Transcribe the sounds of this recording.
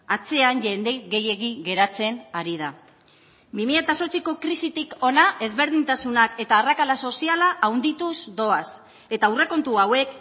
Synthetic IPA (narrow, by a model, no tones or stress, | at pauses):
at͡se̞anʎe̞nd̪e̞ɣe̞je̞ɣiɣe̞ɾat͡se̞naɾið̞a | bimiʎat̪aso̞t͡siko̞kɾisit̪iko̞naʔe̞zβe̞ɾð̞int̪asunake̞t̪aːrakalaso̞sialaʔawnd̪it̪uzd̪o̞as | e̞t̪aure̞ko̞nt̪uawe̞k